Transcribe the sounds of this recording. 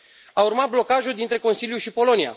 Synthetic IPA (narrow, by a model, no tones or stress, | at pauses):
aurmat̪̚blo̞kaʒuld̪int̪ɾe̞ko̞nsiljuʃipo̞lo̞nia̰